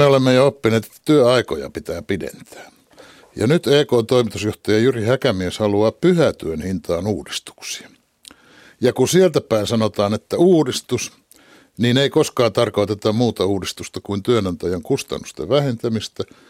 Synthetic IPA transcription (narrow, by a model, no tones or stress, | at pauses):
eolemːejoopːineːt̪e̥t̪ːæt̪yøɑiko̰jɑ̰pit̪æːpidḛnt̪æ̥ː | jɑ̰nyt̪eːkoːnt̪oimit̪usjoht̪ɑjɑjyrihækæmieshɑluɑːppyhæt̪yønhint̪ɑːnuːdist̪u̥ksi̥ɑ̥ | jɑkusielt̪æpæinsɑnot̪ɑːnet̪ːæuːdist̪us | niːneikoskɑːnt̪ɑrkoit̪et̪ːɑmmuːt̪ɑuːdist̪ust̪ɑkuint̪yønɑnt̪æjɑŋkust̪ɑ̰nːust̪ḛʋʋæhent̪æmist̪æ